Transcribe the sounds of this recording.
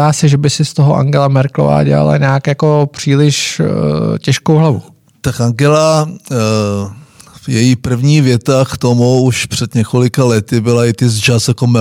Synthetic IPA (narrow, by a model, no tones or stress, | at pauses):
aːsɛʒɛbɪsɪst̪oɦoʔa̰ŋɡɛlamɛɾklo̰va̰ːɟɛ̰a̰la̰ɲaːkjako̞pr̝̥iːlɪʃ | cɛʃkowɦlavṵ | t̪akʔaŋɡɛla | vjɛjipr̩vɲiːvjɛt̪akt̪omuuʃpr̝̥ɛd̪ɲɛkolɪkalɛt̪ɪbɪlaɪt̪ɪzd͡ʒasakomɛ